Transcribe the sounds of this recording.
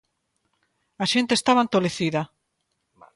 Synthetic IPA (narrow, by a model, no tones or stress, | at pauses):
aʃent̪est̪aβant̪oleθiðɐ